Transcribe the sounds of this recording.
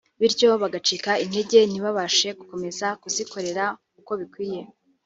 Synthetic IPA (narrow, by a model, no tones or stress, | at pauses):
βiɾɟo̞βaɡat͡ʃiːkainhe̞ɟe̞n̥iβaβaʃe̞ɡuko̞me̞zakuziko̞ɾe̞ɾakuko̞βikwiːje̞